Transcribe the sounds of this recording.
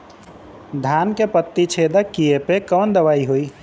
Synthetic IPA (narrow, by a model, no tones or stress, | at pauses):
d̪ʱankepət̪ːit͡ʃʰed̪əkːiepekɔnd̪əʋaːiɦoi